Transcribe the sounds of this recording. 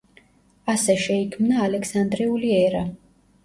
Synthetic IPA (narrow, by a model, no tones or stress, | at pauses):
asɛʃɛikʰmnaːlɛksand̪ɾiuliɛɾa